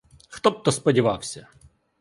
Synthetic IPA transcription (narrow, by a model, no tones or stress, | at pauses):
xt̪ɔb̚t̪ɔspɔdʲɪʋɑwsʲɐ